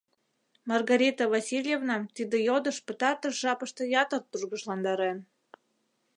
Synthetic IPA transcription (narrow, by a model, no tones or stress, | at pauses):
mɑrɣɑɾʲit̪əvɑsʲilʲjevnɑt̪id̪ejod̪ə̆ʃpə̆t̪ɑrt̪əʃʒɑpəʃt̪ɤ̆jɑt̪ərt̪ːurɣəʃlɑnd̪ɑɾen